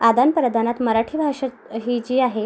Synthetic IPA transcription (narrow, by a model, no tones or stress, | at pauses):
ad̪anpɾəd̪ʱanat̪məɾaʈʰiːbʱaʂə | ɦiːt͡ɕiːaɦe